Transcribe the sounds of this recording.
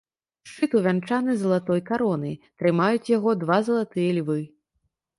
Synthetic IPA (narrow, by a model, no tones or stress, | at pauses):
ʂt͡ʂɨt̪uvʲant͡ʂanɨzɐlˠat̪ɔjkaɾɔnɐ̰jt̪ɾɨmajut͡sʲjaɣɔd̪vazɐlˠat̪ɨjɐlʲvɨ